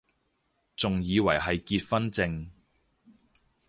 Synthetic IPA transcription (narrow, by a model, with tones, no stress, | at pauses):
t͡sʊ˨ŋjiː˨˧wɐ˨˩jɦɐ˨jkiː˧t̚fɐ˥nt͡sɪ˧ŋ